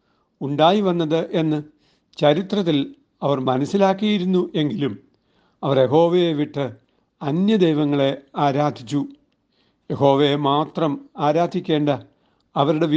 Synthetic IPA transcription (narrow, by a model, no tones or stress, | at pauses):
uɳɖaːjiʋɐnːɐðɨʔe̞nːɨ | t͡ɕɐɾit̪rɐt̪ːil | ɐʋɐrmɐnɐsilaːkːijiɾunːuʔe̞ŋɡilum | ɐʋɐrje̞ɦo̞ːʋejeʋiʈːɨ | ɐnjɐd̪ejʋɐŋːɐɭe̞aːɾaːd̪ʱit͡ɕːu | je̞ho̞ːʋejemaːt̪rɐmaːɾaːd̪ʱikʲːe̞ːɳɖɐ | ɐʋɐɾuɽe̞ʋ